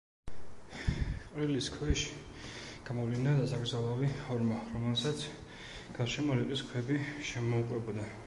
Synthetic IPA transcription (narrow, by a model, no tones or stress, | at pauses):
qʼɾiliskʰwɛʃi̥ | ɡ̥amɔvlinad̪asaɡɾd̪zalˠavihɔɾmaɾɔmɛlsat̪sʰ | ɡ̥aɾʃɛmuɾiqʼiskʰwɛbiʃɛmɔuqʼwɛbɔd̪a